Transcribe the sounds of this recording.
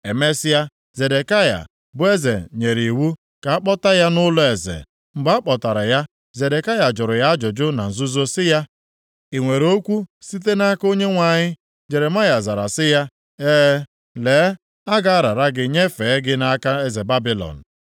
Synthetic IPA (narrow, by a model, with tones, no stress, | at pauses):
e˨me˦sɪ˦ja˦ | ze˨de˨ka˦ja̰˨ | bʊ˦e˦ze˨ɲe˨ɾi˨wu˦ | ka˨a˦k͡pɔ˦ta˦ja˦nʊ˦lʊ˦e˨zḛ˨ | ŋ͡m̩˨ɡ͡ba˦a˦k͡pɔ˨ta˨ɾa˨ja˦ | ze˨de˨ka˦ja˨d͡ʒʊ˨ɾʊ˨ja˦d͡ʒʊ˨d͡ʒʊ˦na˨n̩˨zʊ˦zo˦sɪ˦ja˦ | i˨ŋʷe˨ɾo˦kʷu˦si˦t̬e˦na˦ko˦ɲe˦ŋʷa˨ɲɪ˦ | d͡ʒe˨ɾe˨ma˦ja˨za˨ɾa̰˨sɪ˦ja˦ | e˦ | le˨˦ | a˦ɡa˨a˦ɾa˨ɾa˦ɡɪ˨ɲe˦fe˨˦ɡɪ˦na˦ka˦e˦ze˨ba˦bi˦lɔ̰˨n̩˨